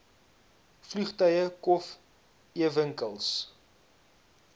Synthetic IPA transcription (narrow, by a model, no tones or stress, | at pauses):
flyχtœjəkɔf | iəvəŋkəlˠs